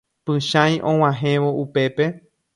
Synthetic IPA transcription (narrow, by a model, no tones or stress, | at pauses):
pɨ̃ʃãj̃ʔõw̃ãɦẽʋoʔupe̞pe̞